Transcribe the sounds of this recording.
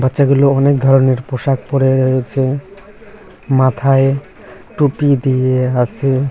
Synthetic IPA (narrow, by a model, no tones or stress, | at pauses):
batːʃaɡuloɔnek̚d̪ʱɔɾoneɾpoʃak̚pɔɾeɾɔɦet͡ʃʰe | mat̪ʰae | ʈupid̪ijeasʰe